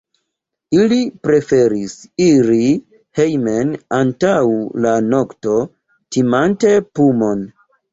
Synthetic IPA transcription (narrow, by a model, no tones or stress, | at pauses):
ilipɾe̞fe̞ɾisiɾi | hejmenantawlano̞kto̞ | timante̞pumo̞n